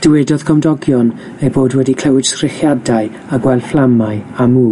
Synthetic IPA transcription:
d̥əwɛdɔð̥kʰɔmdɔɡjɔn | ejboːdwɛdikʰl̥ɛwɪdskrɪχjadaɨ | aɡwɛlˠflˠamaɨamuː

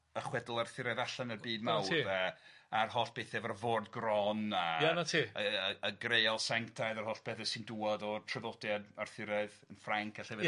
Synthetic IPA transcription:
əχwɛdlˠarθɪɾɛðaɬanərbiːdmawiə | arhɔɬb̥ʰeːθɛvɛrvoːrdɡrɔnajanatʰiəəəɡrejɔlˠsɛŋtʰajðarhɔɬb̥ʰeːθɛsɪnduɔdɔtʰrɪvɔdjadarθɪɾɛðənfraŋkʰaɬɛv

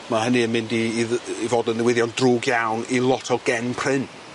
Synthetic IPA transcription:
mahənɨənmɪndiːivoːdənðɪwɪðjɔndruːɡjawnilˠɔtʰɔɡɛnpʰr̥ɪn

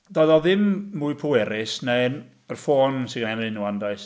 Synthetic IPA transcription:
dɔðɔðɪmːuɨpʰʊwɛɾɪsnɛn | ərfoːnsɪɡənamɪnuwandaɨs

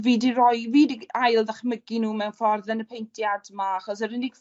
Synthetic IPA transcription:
viːdirɔjviːdiajlˠdaχməɡinuːmɛwnfɔrðɛnəpʰejntʰjadmaaχɔsəɾɪniɡ

